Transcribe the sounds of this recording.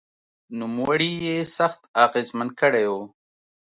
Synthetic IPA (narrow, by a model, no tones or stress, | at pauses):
numwaɽijesaxt̪ɑːqɪzmən̚kəɽejo